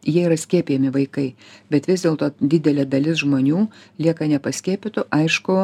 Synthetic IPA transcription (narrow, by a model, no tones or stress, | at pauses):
jiɛiɾɐsʲkʲiɛpʲijɛmʲɪʋɐɪkɐɪbʲɛt̪ʋʲɪzd̪ʲeːlˠt̪oːd̪ʲɪd̪ʲɛlʲɛːd̪ɐlʲɪsʒmoːnʲuːlʲiɛkɐnʲɛpɐsʲkʲiɛpʲɪt̪ʊʔɐɪʃkʊ